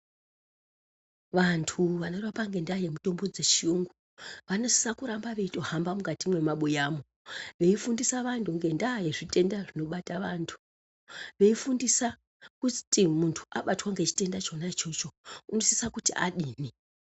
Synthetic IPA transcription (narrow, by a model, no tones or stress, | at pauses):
ʋantʰuʋano̞riʋapaŋɡe̞ndaje̞muto̞mbo̞d͡ze̞t͡ʃiuŋɡu | ʋano̞si̥sakuɾambaʋe̞ito̞hambamukatimwe̞maɓujaːmo | ʋe̞ifundisaʋantʰuŋɡe̞ndaːje̞ʐite̞ndaʐino̞ɓataʋantʰu̥ | ʋe̞ifundisa | kutimuntʰu̥ʔaɓatwaŋɡe̞t͡ʃi̥te̞ndat͡ʃo̞nat͡ʃo̞t͡ʃouno̞si̥sakutiʔa̰ɗiːni